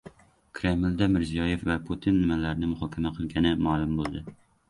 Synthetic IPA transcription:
kʰɾemɪld̪amɪɾzijɒjefvapʰot̪ʰɪnːɪmalaɾɪnɪmʊhɒːkʲʰamaqʰɨlˠɡʲanɪmalˠʊmbolˠd̪ɪ

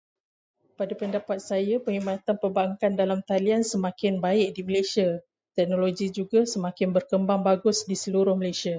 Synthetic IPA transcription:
padapəndapat̪̚sajapəhimãt̪anpəbaŋkandalamt̪aliansəmãkɪnbaɪʔ̚diməlasia | t̪ɛk̚nõloɡid͡ʒuɡasəmãkɪnbərkəmbaŋbaɡʊsdisəluɾʊhməlajsia

